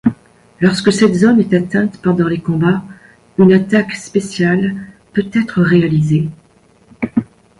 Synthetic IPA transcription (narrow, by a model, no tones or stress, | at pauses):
lɔʁskəsɛt̪zɔmɛt̪at̪ɛ̃t̪pɑ̃d̪ɑ̃lekɔ̃ba | ynat̪akspesjal | pøt̪ɛt̪χəʁealize